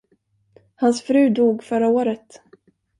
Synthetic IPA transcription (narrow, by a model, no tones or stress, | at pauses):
hansfɾʉ̟ːd̪uːɡfœɾaoːɾət̪